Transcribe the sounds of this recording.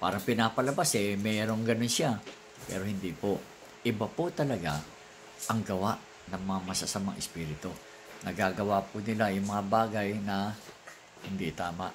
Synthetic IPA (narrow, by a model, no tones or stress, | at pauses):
paːɾɐŋpɪnaːpɐlɐbasɛmɛːɾo̞ŋɡɐno̞nʃa | pɛ̰ːɾo̞hɪnd̪ipo | ʔɪbapot̪ɐlɐɡa | ʔɐŋɡɐwaʔ | nɐŋmɐŋamɐsasɐmɐŋʔɪspiːɾɪt̪o | nɐɡaːɡɐwapʊnɪlajʊŋmɐŋabaːɡɐjnɐ | hɪnd̪it̪aːmaʔ